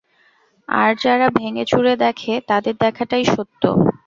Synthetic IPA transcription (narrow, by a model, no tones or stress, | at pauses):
a̰ɾd͡ʑaɾabʱeŋet͡ɕuɾed̪ɛkʰet̪ad̪eɾd̪ɛkʰaʈajʃot̪ːo̰